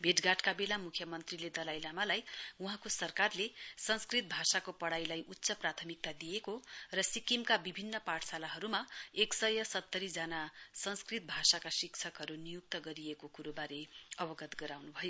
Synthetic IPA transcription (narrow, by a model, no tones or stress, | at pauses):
bʱeʈɡaʈkabelamukʰjʌmʌnt̪riled̪ʌlajlamalajuɦãkosʌrkarlesʌnskrit̪̚bʱasakopʌɽajlajʔutːsʌprat̪ʰʌmik̚t̪ad̪ijekorʌsikimkabibʱinːʌpaʈʰsalaɦʌɾumaeksʌjʌsʌt̪ːʌɾid͡zanasʌnskrit̪̚bʱasakasikt͡sʰʌkɦʌɾunijuk̚t̪ʌɡʌɾijekokuɾobaɾeʌbʌɡʌt̪ɡʌɾawnubʱʌjo